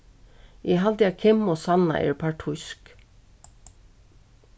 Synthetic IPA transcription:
jɛɦalt̪jakʰɪmːɔsanːa̰ʔɛ̰ɹpʰaɹʈʰʊsk

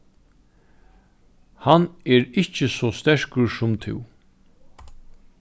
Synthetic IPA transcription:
hanɛːɹɪht͡ʃəsɔːst̪ɛʂkəɹsʊmt̪ʰɪ̰w

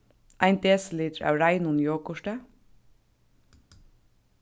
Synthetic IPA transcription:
ʔæɪnd̪eːsliːd̪ɾæ̰ʉɾæɪnʊnjoːkʊʃʈə

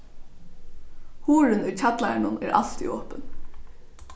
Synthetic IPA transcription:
huːɾɪnʊjcʰat̪laɳʊnɛːɾʔɑ̰l̥t̪ḭɔːpən

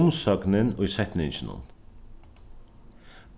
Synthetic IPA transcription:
msœɡnənʊsɛt̪nɪŋʃnṵn

